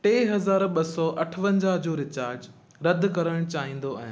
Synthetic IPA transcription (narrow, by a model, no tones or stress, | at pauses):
ʈeːɦɐzaːɾɓɐsɔʔɐʈʰʋə̃ɲd͡ʑaːɦd͡ʑoːɾɪt͡ɕaːɾd͡ʑ | ɾɐd̪ʱkɐɾəɽ̃t͡ɕaːɦĩːn̆d̪oa̰ːɦɪ̃n